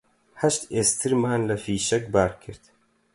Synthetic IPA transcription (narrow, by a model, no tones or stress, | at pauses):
hɐʃt̪eːst̪ʰɨɾmaːnlɐfiːʃɛk̚baːɾkʰɨɾt̪